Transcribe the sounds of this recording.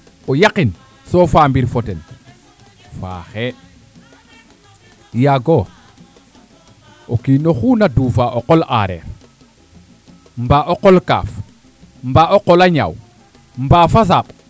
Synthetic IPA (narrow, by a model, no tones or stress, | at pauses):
ojaqin | sofaːmbiɾfoten | fa̰xe | jaɡo | okinoxuːnaduːfaʔoqolʔaɾḛɾ | mbaʔoqolka̰ːf | mbaʔoqolaɲa̰w | mbaːfas̬aɓ